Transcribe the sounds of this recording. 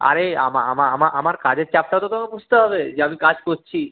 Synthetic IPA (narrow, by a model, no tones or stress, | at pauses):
a̰ɾeamaa̰maamaʔamaɾkad͡ʑeɾt͡ɕap̚ʈat̪ot̪omebud͡ʑt̪eɦɔbed͡ʑeamikad͡ʑkoɾt͡ɕʰi